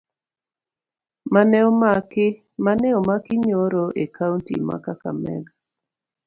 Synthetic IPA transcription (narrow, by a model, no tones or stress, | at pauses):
manɛɔmakɪ | manɛomakiɲoɾoʔekʰawntḭma̰kaka̰mɛ̰ɡ